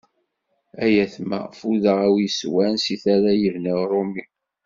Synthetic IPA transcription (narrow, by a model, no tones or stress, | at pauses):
æjæθmæ̰ʁfuðəʁæwjəswænsiθaɾajəɾnəʁɾˤomi